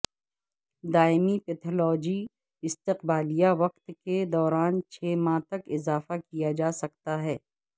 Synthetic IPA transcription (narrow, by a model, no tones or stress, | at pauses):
d̪aːɪmipɛt̪ʰɔlɔːd͡ʒi | ɪst̪ɪqbaːlijaʋɐq̚t̪ked̪ɔːɾaːnt͡ʃʰeːmãt̪ɐkɪzaːfakijad͡ʒaːsɐkt̪aɦɛː